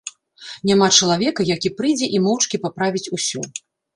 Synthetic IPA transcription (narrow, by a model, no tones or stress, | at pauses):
nʲamat͡ʂɐlˠavʲɛkɐjakʲipɾɨjd͡zʲɛʔimɔwt͡ʂkʲipapɾavʲit͡sʲusʲu